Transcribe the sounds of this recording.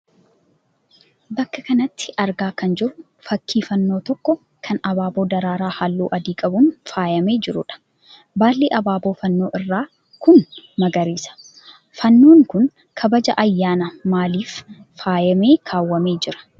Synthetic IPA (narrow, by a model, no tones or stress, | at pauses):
bɐkːɐkɐnɐt̪ːɪ̥ʔɐɾɡaːkɐnd͡ʒɪɾʊ | fɐkːiːfɐnːo̞ːt̪ɔkːɔ | kʰɐnɐbaːbo̞ːd̪ɐɾaːɾaːhalːṵːʔɐd̪iːkʼɐbʊnfaːjɐme̞ːd͡ʒɪɾʊ̰ᶑɐ̥ | baːlːeːʔɐbaːboːfɐnːo̞ːʔɪrːaː | kʊnmɐɡɐɾiːsɐ̥ | fɐnːoːŋkʊn | kʰɐbɐd͡ʒɐʔɐjːaːnɐmaːliːfː | aːjɐme̞ːkʰaːwːɐme̞ːd͡ʒɪɾɐ̥